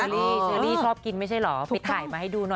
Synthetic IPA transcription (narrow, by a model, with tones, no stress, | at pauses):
liː˥˩sɯ˧˦liː˥˩t͡ɕʰɔː˥˩p̚ki˧nma˥˩jt͡ɕʰa˥˩jlɔ˩˦pjt̪ʰaː˨˩˦jmaː˧ha˥˩jduː˧nɔ˨˩